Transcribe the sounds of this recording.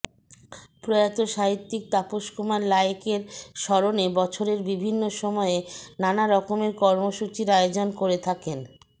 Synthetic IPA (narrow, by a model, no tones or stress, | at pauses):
pɾojat̪oʃaɦit̪ːik̚t̪apoʃkomaɾlajkeɾʃɔɾonebɔt͡ɕʰoɾeɾbibʱinːoʃɔmɔenanaɾɔkomeɾkɔɾmoʃut͡ɕiɾaeod͡ʑonkoɾet̪ʰaken